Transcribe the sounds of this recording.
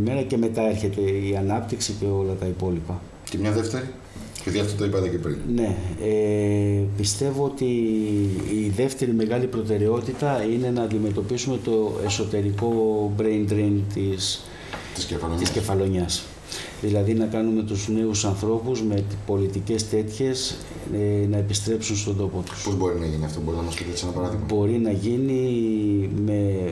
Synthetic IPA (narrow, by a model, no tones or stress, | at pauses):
ime̞ɾɐce̞me̞t̪ɐe̞ɾçe̞t̪e̞iɐnɐp̚t̪iksice̞o̞lɐt̪ɐipo̞lipɐ | cemɲɐðeft̪eɾi | piðiɐft̪ot̪oipɐt̪ɐcepɾḭnne̞e | pist̪e̞voot̪iː | ðe̞ft̪e̞ɾime̞ɣɐlipɾo̞t̪e̞ɾe̞o̞t̪it̪ɐine̞nɐːnd̪ime̞t̪o̞pisume̞t̪o̞e̞so̞t̪e̞ɾiko̞bɾend̪ɾint̪is | t̪sɐt̪isce̞fɐlo̞ɲɐs | ðilɐðinɐkɐnume̞t̪uzne̞usɐnθɾo̞puzme̞po̞lit̪ice̞st̪e̞t̪çe̞s | nɐe̞pist̪ɾe̞psunst̪o̞nd̪o̞po̞t̪u̥spozbo̞ɾinɐʝiniɐft̪o̞bo̞ɾinɐmɐspit̪esenɐpɐɾɐðiɐbo̞ɾinɐʝini | me̞